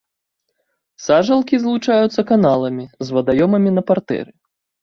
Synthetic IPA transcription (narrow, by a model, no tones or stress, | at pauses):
saʐɐlˠkʲizlˠut͡ʂajut̪sːɐkanalˠɐmʲizvɐd̪ajɔmɐmʲinɐpart̪ɛ̰ɾɨ